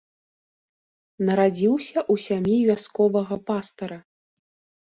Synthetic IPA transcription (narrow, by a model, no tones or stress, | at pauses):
nɐɾad͡zʲiwsʲɐʔusʲamʲjivʲaskɔvɐɣɐpast̪ɐɾɐ